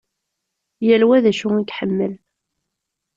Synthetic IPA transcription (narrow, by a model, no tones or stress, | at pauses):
jælwæðæʃʊŋiɡħəmːəl